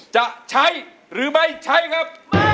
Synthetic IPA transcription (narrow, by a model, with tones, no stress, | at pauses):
t͡ɕa˨˩ʔt͡ɕʰa˦˥j | ɾɯː˨˩˦ma˦˥˩jt͡ɕʰa˦˥˩jkʰa˦˥p̚